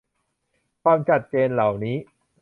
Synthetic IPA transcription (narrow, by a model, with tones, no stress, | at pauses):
kʰwaː˧mt͡ɕʰa˨˩t̪̚t͡ɕeː˧nla˨˩wniː˦˥